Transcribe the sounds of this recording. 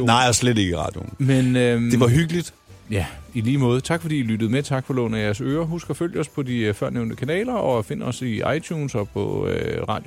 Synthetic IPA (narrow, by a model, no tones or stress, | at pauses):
nɑ̈ɪ̰æslede̝ɡ̥əʁɑ̰̈ːd̥jo̰mene̝ʋɑɦyɡ̥əlid̥ | jæiliːmɔ̽ːð̞̩ˠt͡sʰɑ̈ɡ̥fɒ̽dḭːilyd̥ð̩ˠmet͡sʰɑ̈ɡ̥fɒ̽lɔ̰ːn̩æjæɐsøːɐɦusɡ̥ɐføl̰jəɒ̽spʰɒ̽difɶɐ̰neʊnd̥əkʰænɛ̰ːlɐʔɒ̽fe̝n̰əɒ̽siʔɑ̈ɪt͡sʰjuːnsɒ̽pʰɒ̽øʁɑ̈ːd̥j